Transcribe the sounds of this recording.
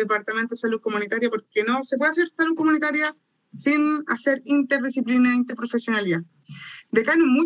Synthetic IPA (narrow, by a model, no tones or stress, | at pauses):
epaɾt̪amẽnt̪oesaluðkomunit̪aɾjapoɾkenosep̬weaseɾsaluðkomũnit̪aɾja | sinaseɾint̪eɾðisiplinaint̪eɾpɾofesjonalja | d̪ekanumːũ